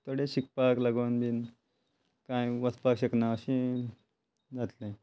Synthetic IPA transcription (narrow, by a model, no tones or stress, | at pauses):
t̪oɽeɕik̚paklaɡonbʱiːn | kãjʋəspakɕəknaəɕĩ | d͡zat̪lẽ